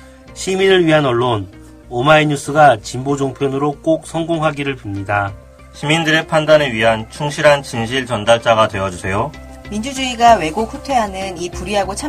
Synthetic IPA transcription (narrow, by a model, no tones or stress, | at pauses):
ɕʰiminɯɭɥiɦanʌɭːon | omaiɲus͈ɯɡat͡ɕimbod͡ʑoŋpʰjʌnɯɾok͈ok̚s͈ʰʌŋɡoŋɦaɡiɾɯɭpimɲida | ɕʰimindɯɾe̞pʰandaneɥiɦant͡ɕʰuŋɕʰiɾɦant͡ɕinɕ̬ʰiɭt͡ɕʌndaɭt͡ɕ͈aɡadwe̞ʌd͡ʑusʰe̞jo | mind͡ʑud͡ʑuiɡawe̞ɡokʰutʰwe̞ɦanɯnipuɾiɦaɡot͡ɕʰa